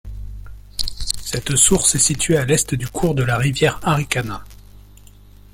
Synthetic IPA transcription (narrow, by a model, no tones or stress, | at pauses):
sɛt̪suʁsɛsit̪ɥealɛst̪d̪ykʰuʁd̪əlaʁivjɛʁaʁikana